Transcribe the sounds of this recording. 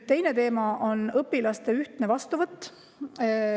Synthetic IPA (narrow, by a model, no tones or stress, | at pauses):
t̪e̞jne̞t̪e̞ːmɑʔo̞nɤpːilɑst̪e̞yht̪nevɑst̪uvɤt̪ːˑ